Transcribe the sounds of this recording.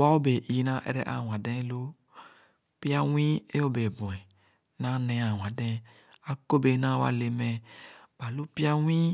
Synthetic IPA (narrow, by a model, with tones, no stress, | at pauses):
wa˦wo˦be˨i˨nã˦ʔɛ̰˦ɾɛ˦˨ʔa̰˨w̃ã˨dɛ̃˦lo˦ | pi˦a˦wĩ˦e˦o˦be˨bũ˨ɛ̃˨ | nã˦nɛ̃˧a˨w̃ã˨dɛ̃˦ | a˨ko˦be˨˦nã˦wa̰˨˦le˨mɛ̃˨b̥a˨lu˦pi˦a˦w̃ĩ˦